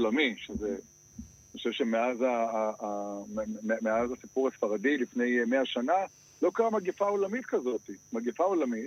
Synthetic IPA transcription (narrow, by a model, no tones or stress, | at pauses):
lamiʃeze | nioʃevʃemeazaː | emeazasipuʁhasfaʁadilifne̞jmeaʃana | lo̞kaʁamaɡefaolamit̪kazo̞t̪imaɡefaolamit